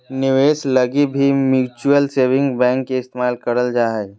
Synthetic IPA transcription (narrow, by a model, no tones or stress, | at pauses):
nɪʋeːsləɡibʱimjuːt͡ʃuəlseːʋɪ̃ŋɡbɛ̃ŋkːeɪst̪emaːlkəɾəld͡ʒaːɦə